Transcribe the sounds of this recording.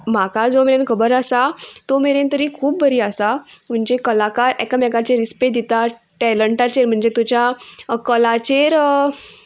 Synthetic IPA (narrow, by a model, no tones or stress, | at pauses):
m̤akad͡zomeɾenkʰəbəɾasat̪omeɾent̪əɾiːkʰuːp̚bəɾiːasam̤əɳd͡zekəlakaɾɛkamɛkat͡ɕeɾisped̪it̪aʈɛləɳʈat͡ɕeɾm̤əɳd͡zet̪ut͡ɕjakəlat͡ɕeɾ